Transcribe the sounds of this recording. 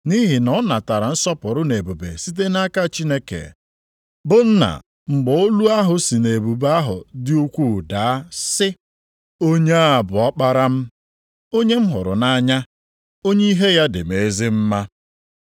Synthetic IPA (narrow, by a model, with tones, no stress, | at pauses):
ni˦ɦi˨nɔ˨˦na˨ta˨ɾa˨n̩˦sɔ˦pʊ˨ɾʊ˦ne˨bu˨be˨si˦t̬e˦na˦ka˦˨t͡ʃi˦ne˦kḛ˨ | bʊ˦n̩˦na̰˨ | ŋ͡m̩˨ɡ͡bɔ˨o˦lu˦a˦ɦʊ˨si˨ne˨bu˨ba˦ɦʊ̰˨dɪ˦u˦kʷu˦˨da˨a˦sɪ˦ | o˦ɲe˦a˦a˨bʊ˨ɔ˦k͡pa˦ɾa˦m̩˦ | o˦ɲe˦m̩˦ɦʊ̰˨ɾʊ̰˨na˦ɲa˦ | o˦ɲe˦i˦ɦe˦ja˦dɪ˨me˨˦zɪ˦m̩˦ma˦